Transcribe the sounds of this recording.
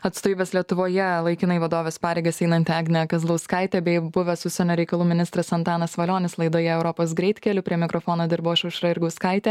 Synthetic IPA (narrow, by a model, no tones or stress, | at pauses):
ɐt̪st̪oːʋiːbʲɛslʲiɛt̪ʊʋoːjɛlˠɐɪkʲɪnɐɪʋɐd̪oːʋʲeːspɑːɾʲeɪɡɐsɛɪnɐnt̪ʲɑːɡʲnʲɛɐkɐzlˠɐʊskɐɪt̪ʲɛbʲɛɪbʊʋʲɛsʊʃsʲɛnʲoːɾʲɛɪkɐlˠuːmʲɪnʲɪst̪ɾɐsɐnt̪ɑːnɐsʋɐlʲoːnʲɪslˠɐɪd̪oːjɛɛʊɾɔpoːs̬ɡɾʲɛɪt̪kʲɛlʲʊpʲɾʲiɛmʲɪkɾɔfoːnoːd̪ʲɪɾbɐɐʃʲɛʊʃɾɐɪɾɡɐʊskɐɪt̪ʲeː